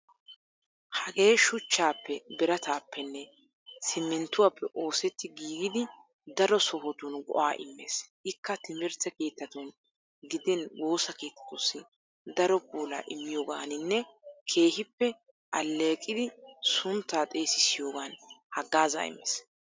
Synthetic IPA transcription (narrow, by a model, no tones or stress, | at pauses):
hɐɡe̞ːʃʊt͡ʃːaːpːɛbɛɾɐt̪aːpːɛnːɛ | sɪmːɛnt̪ːʊwaːpːɛʔo̞ːsɛt̪ːɪɡiːɡɪd̪ɪ | d̪ɐɾɔsɔɦɔt̪ʊnɡɔ̰ʔaːʔɪ̰mːḛːsʔɪkːɐt̪ɪmɪɾt͡sɐke̞ːt̪ːɐt̪ʊn | ɡɪd̪ɛnwo̞ːsɐke̞ːt̪ːɐ̥t̪ʊsːɪ | d̪ɐɾɔbuːla̰ːʔɪmːɪjoːɡaːnɪnːɛkʰe̞ːhɪpːɛ | ʔɐlːeːkʼːɪd̪ɪsʊnt̪ːaːt̪ʼe̞ːsɪsɪjo̞ːɡaːnhɐɡːaːza̰ɪ̰mːḛːs